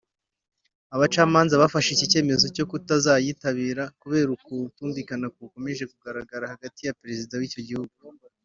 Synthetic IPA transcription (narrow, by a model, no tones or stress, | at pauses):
aβat͡ʃaːmaːnzaβafaʃicice̞ːmezo̞co̞kutazaːjitaβiːɾakuβe̞ːɾukutuːndikanakuko̞meʒe̞kuɡaɾaɡaɾahaɡatijapeɾe̞zidawiːco̞ɟihuɡu